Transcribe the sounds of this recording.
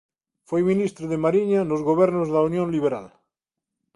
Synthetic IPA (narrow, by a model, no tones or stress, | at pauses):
fwejminist̪ɾoðemaɾiɲanozɣoβ̞eɾnozðaunjõnliβ̞eɾa̰l